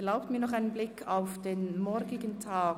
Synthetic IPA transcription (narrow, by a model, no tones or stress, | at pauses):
laʊp̚tmiːɐnɔχaɪnənblɪkʰaʊfd̥eːnmɔɐɾɡɪɡəntʰaː